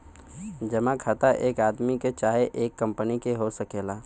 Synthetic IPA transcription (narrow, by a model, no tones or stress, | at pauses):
d͡ʒəmãkʰat̪aʔeːkaːd̪miket͡ʃaːɦeʔeːkːə̃mpənikeɦosəkeːlaː